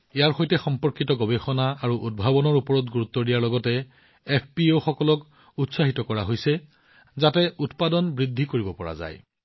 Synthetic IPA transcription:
ejaɹxojtɛxɔmpɔɹkitɔɡɔbexɔnaaɹuʔud̚bʱabɔnɔɹupɔɹɔtɡuɹut̪ːɔdijaɹlɔɡɔtɛ | epʰpioxɔkɔlɔk | utsaɦitɔkɔɹaɦojsɛ | zatɛutpadɔnbɹidʱːikoɹibɔpɔɹa̰za̰j

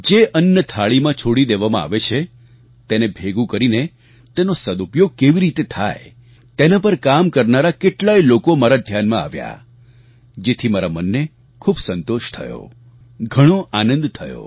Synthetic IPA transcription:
d͡ʒeʔənjət̪ʰaɭimãt͡ʃʰoɽid̪eʋamã̰a̰ʋet͡ʃʰe | t̪enebʱeɡũkəɾine | t̪enosəd̪upjoɡ̚keʋiɾit̪et̪ʰa̰j | t̪enapəɾkamkəɾnaɾakeʈlailokomaɾad̪ʱjanmãa̰ʋja̰ | d͡ʒet̪ʰimaɾamənːe | kʰubsənt̪oʃt̪ʰə̰jo̰ | ɡʱəɽ̃oʔanə̃nd̪t̪ʰəjo̰

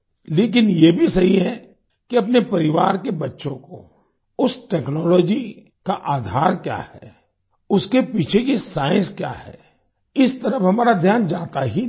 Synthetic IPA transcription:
leːk̬ɪnjebʱisɐɦiɦɛ | kiɐp̬nepɐɾɪʋaːɾkebɐtːʃõko̰ | ʊsʈɛːknɔːlɔːd͡ʒi | kaʔaːd̪ʱaːɾkja̰ːhɛ̰ː | ʊskepiːt͡ʃʰekisaːɪ̃nskja̰ːhɛ̰ː | ɪst̪ɐɾəfɦɐmaːɾad̪ʱjaːnd͡ʒaːt̪aɦi

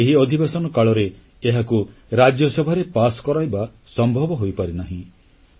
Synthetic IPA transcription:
eɦiɔd̪ʱibesɔnɔkaɭɔɾe | eɦakuɾad͡ʒjɔsɔbʱaɾepasɔ̥kɔɾajba | sɔmbʱɔbɔɦojpaɾinaɦĩ

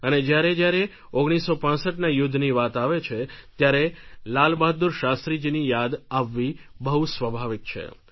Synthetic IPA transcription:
əned͡ʒjaɾed͡ʒjaɾe | oɡɽ̃isːopãsəʈnajʊd̪ʱːniʋat̪aʋet͡ʃʰet̪jaɾelalbad̪ːuɾʃast̪ɾid͡ʒinijad̪aʋːibəɦusʋəbʱaʋik̚t͡ʃʰḛ

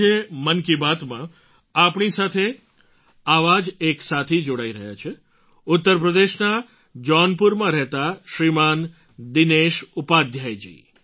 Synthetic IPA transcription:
emənkibat̪mã | apɳisat̪ʰe | aʋad͡ʒeksat̪ʰid͡ʒoɽaiɾəɦja̰t͡ʃʰe | ʊt̪ːəɾpɾəd̪eʃna | d͡ʒɔnpuɾmãɾɛɦt̪aʃɾiman | d̪ineʃupad̪ʱjajd͡ʒḭ

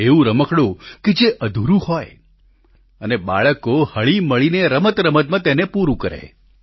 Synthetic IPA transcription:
eũɾəməkɽũked͡ʒeʔəd̪ʱuɾũhɔj | əneba̰ɭəkohəɭiməɭineɾəmət̪ɾəmət̪̚mãt̪enepuɾũkəɾḛ

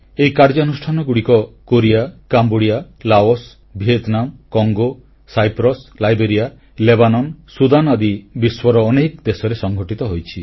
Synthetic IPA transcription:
ejkaɾd͡ʒɔɔnusʈʰanɔɡuɽikɔkoɾiakamboɽija | laos | bʱiet̪namkɔŋɡo | sajpɾɔslajbeɾija | lebanɔnsud̪anad̪ibiswɔɾɔːnekd̪esɔɾesɔŋɡʱɔʈit̪ɔɦojt͡ʃʰi

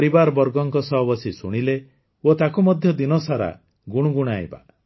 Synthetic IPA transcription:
ɾibaɾbɔɾɡɔŋkɔsɔɦbɔsisuɽ̃ile | ot̪akumɔd̪ʱjɔd̪inɔsaɾa̰ | ɡuɽ̃uɡuɽ̃aj̰ba̰

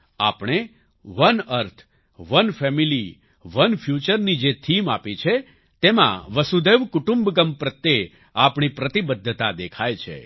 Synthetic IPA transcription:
a̰pɳ̃e | ʋənəɾt̪ʰ | ʋənfɛmili | ʋənfʰjut͡ʃəɾnid͡ʒet̪ʰima̰pet͡ʃʰe | t̪emã̰ʋəsud̪eʋkʊʈũmbɡəmpɾət̪ːe | apɳ̃ipɾət̪ibəd̪ʱːət̪ad̪ekʰajt͡ʃʰḛ

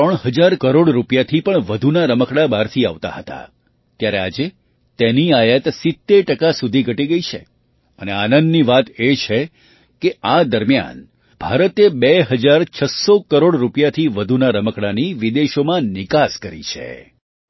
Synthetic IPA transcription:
t̪əɳ̃ɦəd͡ʒaɾkəɾoɽɾupjat̪ʰipəɳʋəd̪ʱunaɾəməkɽabaɾt̪ʰia̰ʋt̪a̰ɦət̪a̰ | t̪jaɾea̰d͡ʒe | t̪eniajət̪sɪt̪ːeɾʈəkasud̪ʱiɡʱəʈiɡəit͡ʃʰḛ | əneanənd̪niʋat̪et͡ʃʰe | kead̪əɾmja̰n | b̥ʱaɾət̪ebeɦəd͡ʒaɾt͡ʃʰəsokəɾoɽɾupjat̪ʰiʋəd̪ʱunaɾəməkɽaniʋid̪eʃomãnɪkaskəɾḭt͡ʃʰḛ

